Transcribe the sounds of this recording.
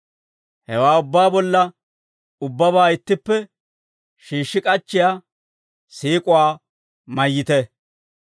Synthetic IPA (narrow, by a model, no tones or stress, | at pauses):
hɛwaːʊbːaːbɔlːɐ | ʊbːɐβaːɪt̪ːɪpːɛ | ʃiːʃːɪkʼɐt͡ʃːɪjaː | siːkʼʊwaː | mɐjːɪt̪ɛ